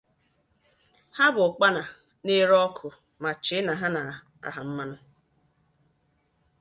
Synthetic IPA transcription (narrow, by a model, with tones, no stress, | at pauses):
ha˦bʊ˨k͡pa˦na˨ | ne˦ɾɔ˦kʰʊ˨ | ma˨t͡ʃɪ˦na˨ɦa˦na˨ | a̰˨ɦa˨m̩˦ma˦nʊ˦